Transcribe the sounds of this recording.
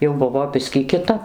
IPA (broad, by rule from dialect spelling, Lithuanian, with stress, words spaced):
jɛʊ ˈbʊʋoː ˈbʲɪsʲkʲiː kʲɪˈtɐp